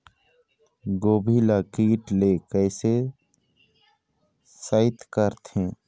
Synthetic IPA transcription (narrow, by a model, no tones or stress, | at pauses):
ɡoːbʱilakiːʈlekəɪse | saɪt̪kəɾt̪ʰẽː